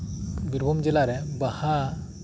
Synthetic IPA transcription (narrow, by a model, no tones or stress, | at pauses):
biɾbʱumd͡ʒɛlaɾɛbaha